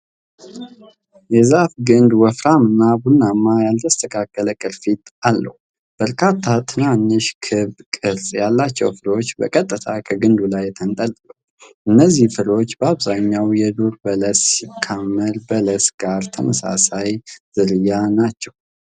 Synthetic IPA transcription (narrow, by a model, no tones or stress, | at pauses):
jɛzafɡɨnd̪wɔfɾamɨnːabunːamːajalt̪ʰəst̪ʰəkʰakːələkʼɨɾfit̪alːə̰hu | b̥əɾkʰat̪ʰːat̪ʰɨnaɲːɨʃkʰɨβkʼɨɾsʼjalːat͡ʃːɛwfɨɾo̞t͡ʃːbə̰kʼət̪ʼːɨt̪ʰakʰəɡɨnd̪ulajt̪ʰənt̪ʼəlt̪ʼlə | ʔɨnːəzːihfɨɾo̞t͡ʃːbəaβzaɲːawjɛd̪uɾbələssikʰːamːəɾbələsɡ̥aɾt̪ʰəməsa̰sajz̥ɨɾɨjanat͡ʃːɛw